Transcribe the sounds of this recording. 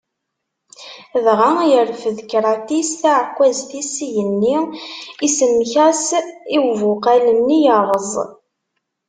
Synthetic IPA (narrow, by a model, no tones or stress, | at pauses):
ðʁajəɾfəðkɾˤɑt̪isθaʕəkʷːæzθisjənːiisəmːçæsiwvʊqælənːijəɾˤəzˤ